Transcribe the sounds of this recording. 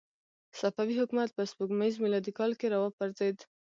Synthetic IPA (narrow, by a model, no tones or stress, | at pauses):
safawihʊkumat̪̚pəspuɡmaizmɪlɑd̪ikɑlkeɾawɑpaɾzed̪